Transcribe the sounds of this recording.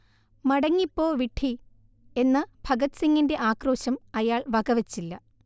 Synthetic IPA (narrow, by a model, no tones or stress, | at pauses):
mɐɽɐŋːipːo̞ːʋiʈʰi | e̞nːɐb̥ʱɐɡɐt̪siŋːinde̞ʔaːkro̞ːɕɐmɐjaːɭʋɐɣɐʋɐt͡ɕːilːɐ